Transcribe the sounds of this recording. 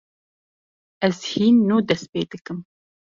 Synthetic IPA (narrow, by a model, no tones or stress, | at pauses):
ʔɛzhiːnːuːd̪ɛspeːd̪ɨkɨm